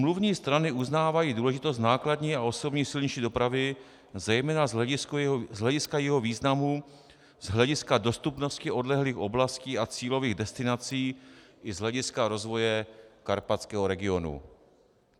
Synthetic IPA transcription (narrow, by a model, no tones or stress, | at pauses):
mluvɲiːst̪ɾanɪuznaːvajiːduːlɛʒɪt̪os̬t̪naːkladɲiːao̞so̞bɲisɪlɲiʃiːdo̞pɾavɪ | zɛjmɛːnazɪskzɦlɛɟɪskajɛɦo̞viːznamu | z̥ɦlɛɟɪskado̞st̪upno̞scɪʔo̞dlɛɦliːxo̞blasciːat͡siːlo̞viːɣdɛst̪ɪnat͡siːʔɪzɦlɛɟɪskaɾo̞zvo̞jɛkaɾpat͡skɛːɦoɾɛɡɪo̞nṵ